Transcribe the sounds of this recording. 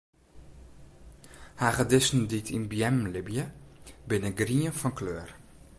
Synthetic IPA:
haːɣədɪsn̩ditʰinbjɛmlɪbjəbɪnəɡriənfɔnkløːər

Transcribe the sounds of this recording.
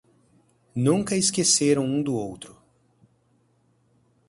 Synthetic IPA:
nũŋkɐɪskeseɾɐ̃w̃ũd̪ʊowt̪ɾʊ

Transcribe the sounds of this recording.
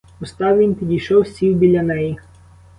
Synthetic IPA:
ʊst̪ɑwʋʲinpʲidʲijʃɔwsʲiwbʲilʲːɐnɛji

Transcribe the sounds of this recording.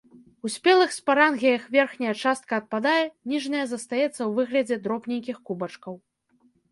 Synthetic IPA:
usʲpʲɛlˠɨxsʲpaɾanɣʲijɐxvʲɛrxnʲɐjɐt͡ʂast̪̚kɐːt̪̚pad̪ajɛnʲiʐnɐjɐzɐst̪ajɛt̪sːɐwvɨɣlʲɐd͡zʲɛd̪ɾɔpnʲejkʲixkubɐt͡ʂkɐw

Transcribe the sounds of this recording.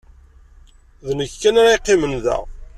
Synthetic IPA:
ðnəçkːænaɾiqːimənðæ̰ʁ

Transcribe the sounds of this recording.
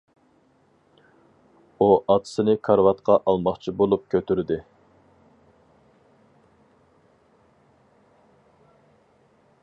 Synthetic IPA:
uʔɑt̪ʰɨ̥sɨnɪkʰɑɾvɑt̪qɑʔɑlˠmɑχt͡ʃʰibolˠup̚kʲʰøt̪yɾd̪ɪ

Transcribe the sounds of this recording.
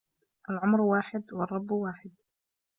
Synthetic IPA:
ʔalʕʊmɾwaːħɪd̪wɑrˤːɑbːwaːħɪd̪̚

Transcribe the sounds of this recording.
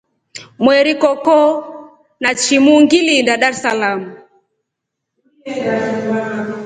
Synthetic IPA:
mwɛɾikɔkɔ | nat͡ʃimuŋɡilindaɗaɾsalamu

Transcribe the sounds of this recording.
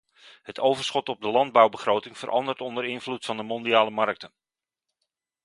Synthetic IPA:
ɦətowvərsχɔtɔb̚dəlɑnd̚bawbəχrowtɪŋvərʔɑ̰ndərtɔndəɾɪnvlutfɑndəmɔndiaːləmɑrk̚tən

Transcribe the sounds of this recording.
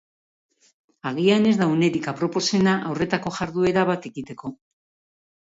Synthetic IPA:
aɣiane̞zðaune̞ɾikapɾo̞po̞se̞naʔawre̞t̪ako̞ʝaɾðue̞ɾaβat̪e̞ɣit̪e̞ko̞

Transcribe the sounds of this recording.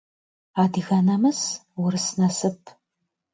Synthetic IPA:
aːdɨɣɐnɐmɨswʊɾɨsnɐsɨpʰ

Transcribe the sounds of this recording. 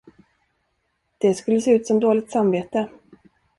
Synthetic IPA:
d̪̥ɛskɵlːəseːʉ̟ːt̪sɔmd̪oːlɪɡ̚t̪samveːt̪ə

